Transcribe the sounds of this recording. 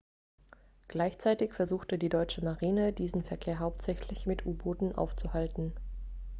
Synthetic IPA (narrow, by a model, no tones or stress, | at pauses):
ɡ̥laɪçt͡saɪtɪçfɛɐzuːxtədiːdɔʏt͡ʃəmaʁiːnədiːzn̩fɛɐkʰeːɐɦaʊp̚tz̥ɛçlɪçmɪtʰʔuːboːtn̩ʔa̰ʊft͡suhaltn̩